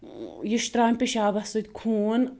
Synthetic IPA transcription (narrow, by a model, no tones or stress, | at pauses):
jiʃt̪ɾaːmʲpʲiʃaːbɐsut̪ʲkʰuːn